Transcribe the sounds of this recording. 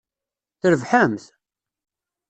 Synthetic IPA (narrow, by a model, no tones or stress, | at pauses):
θəɾəvħəmθ